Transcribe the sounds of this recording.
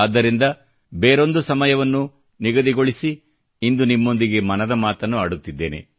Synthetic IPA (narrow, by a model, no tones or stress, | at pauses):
aːd̪ːɐɾind̪ɐ | beːɾo̞nd̪usɐmɐjɐʋɐnːu | niɡɐd̪iɡoɭisi | ind̪unimːo̞nd̪iɡe̞mɐnɐd̪ɐmaːt̪ɐnːuaːɽut̪ːid̪ːe̞̰ːnḛ